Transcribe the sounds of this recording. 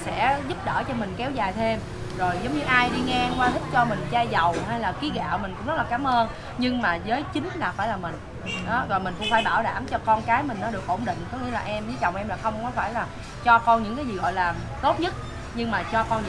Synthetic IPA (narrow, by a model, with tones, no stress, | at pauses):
sɛ̰˧˥zʊ˦˥p̚ɗəː˧˩t͡ɕɔ˧mï˨˩ŋ̟kɛ˨˦wzaː˨˩jt̪ʰe˧m | zo˨˩jzə˨˦wŋ͡mɲɨ˧ʔaː˧jɗi˧ŋɛ˧kwaː˧t̪ʰi˦˥t̚t͡ɕɔ˧mï˨˩ŋ̟t͡ɕaː˧zə˨˩wɦaː˧jlaː˨˩ki˨˦ɣa̰ː˧˨wmï˨˩ŋ̟kʊ̰˧˥ŋ͡mzə˦˥t̚lːkaː˨˦mʔəː˧n | ɲɨ˧ŋmaː˨˩zəː˨˦jt͡ɕï˨˦ŋ̟laː˨˩faː˧˩jlaː˨˩mï˨˩ŋ̟ | ɗɔ˨˦zo˨˩jmï˨˩ŋ̟kʊ̰˧˥ŋ͡mfaː˧˩jɓaː˧˩wɗa̰ː˧˩mt͡ɕɔ˧kɔ˧nkaː˨˦jmï˨˩nɔ˨˦ɗɨ˨˩ək̚ʔo˧˩wŋ͡mɗḭ̈˧˨ŋ̟kɔ˨˦ŋi˧˥əlaː˨˩ʔɛ˧mzəː˨˦jzə˨˩wŋ͡mʔɛ˧mlaː˨˩xə˧wŋ͡mkɔ˨˦faː˧˩jlaː˨˩ | t͡ɕɔ˧kɔ˧nɲɨ̰˧˥ŋkaː˨˦jzi˨˩ɣɔ̰˧˨jlaː˨˩ | t̪o˦˥t̚ɲə˦˥t̚ | ɲɨ˧ŋmaː˨˩t͡ɕɔ˧kɔ˧n